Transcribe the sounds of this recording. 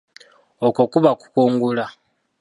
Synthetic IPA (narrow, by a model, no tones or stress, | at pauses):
okokuβaku̥kuːŋɡula